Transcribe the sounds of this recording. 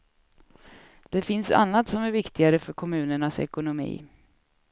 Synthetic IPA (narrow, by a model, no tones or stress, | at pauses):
d̪̥ɛfɪnsa̰nːat̪sɔmæɾvɪkt̪ɪɡaɾəfœɾkʰɔmʉ̟ːnəɳasɛ̰kʊnʊmḭː